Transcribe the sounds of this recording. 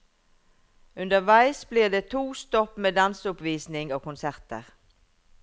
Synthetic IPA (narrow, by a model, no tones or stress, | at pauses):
ʉnd̪əʁʋæɪsbliːʁd̪eːt̪ʰuːst̪ɔpmeːd̪ɑnsʊpʋiːsnɪŋoːkʊnsæʁt̪ə̰ʁ